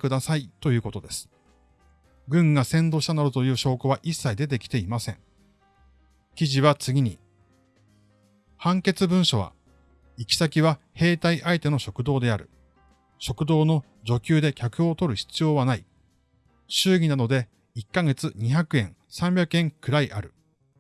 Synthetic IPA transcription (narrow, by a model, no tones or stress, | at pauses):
kɯ̟d̪asait̪o̞jɯ̟ːko̞t̪o̞d̪e̞sɨ̥ | ɡɯ̟̃ŋɡasẽ̞nd̪o̞ɕit̪anaɾɯt̪o̞jɯ̟ːɕo̞ːkoβaʔisːaid̪e̞t̪e̞kʲi̥t̪e̞imasẽ̞ŋ | kʲiʑiβat͡sɨɡʲiɲ̟i | hãŋke̞t͡sɨbɯ̟̃ɰ̃ɕo̞βa̰ | ikʲi̥sakʲiβa | he̞ːt̪aiʔait̪e̞no̞ɕo̞kɯ̟d̪o̞ːd̪e̞aɾɯ̟̰ | ɕo̞kɯ̟d̪o̞ːno̞ | d͡ʑo̞kʲɨːd̪e̞kʲakɯ̟o̞t̪o̞ɾɯ̟çi̥t͡sɨjo̞ːβanai | ɕɨːɡʲinad̪o̞d̪e̞ | ikːaɡe̞t͡sɨɲ̟içakɯ̟ẽ̞ŋ | sãmbʲakɯẽ̞ŋkɯ̟ɾaiʔaɾɯ̟